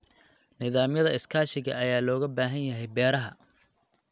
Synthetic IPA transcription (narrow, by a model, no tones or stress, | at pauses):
nɪðaːmjɐðɐɪskʰaːʃɪɣɐ̰ɐjaːlɔːɣɐbaːɦɐnjɐɦɛjbɛːɾɐɦɐ